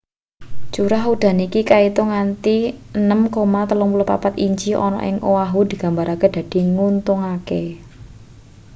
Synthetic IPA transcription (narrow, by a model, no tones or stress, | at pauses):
t͡ʃuɾaɦud̪̥ä̤nikikait̪oŋant̪iənəmkomat̪əlɔŋulopa̰pat̪iɲd͡ʒiʔɔ̰nɔ̰ʔɪ̰ŋʔowaɦud̪̥i̤ɡ̥ä̤mbaɾaked̪̥a̤d̪̥i̤ŋunt̪ʊŋake